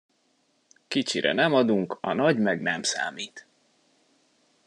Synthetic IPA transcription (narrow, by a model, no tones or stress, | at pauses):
kit͡ʃiɾɛ̰nɛmɒd̪uŋkɒnɒɟmɛɡnɛmsa̰ːmiːt̪